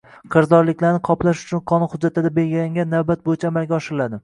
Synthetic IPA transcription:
qʰɨɾzɒɾlɪkʲlaɾnɪqʰɒplaʃʊ̥t͡ʃʰʊnqʰɒnɪhʊd͡ʒːat̪ʰɪd̪abe̞lɡʲɪlaŋɡʲanːavbat̪̚bojɪt͡ʃʰaːmalɡʲaɒʃɪɾɪlad̪ɪ

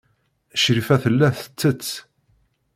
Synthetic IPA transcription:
ʃɾifæθəlːæθə̥t͡sːət͡s

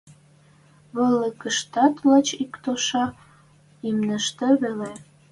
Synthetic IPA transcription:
βələ̆kəʃt̪ɑt̪lət͡ɕikt̪oʃɑ | imnəʃt̪ĕβele

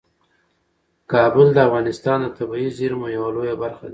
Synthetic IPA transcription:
kɑbʊld̪əafɣɑnɪst̪ɑnd̪ət̪abiiziɾmojawalojabaɾxad̪

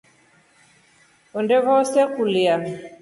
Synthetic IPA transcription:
ɔndɛβɔsɛkulia

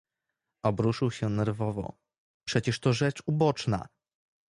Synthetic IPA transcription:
ɔbɾuʂɘwɕɛnɛɾvɔvɔ̰ | pʂɛt͡ɕɛʂt̪ɔʐɛt͡ʂubɔt͡ʂna̰

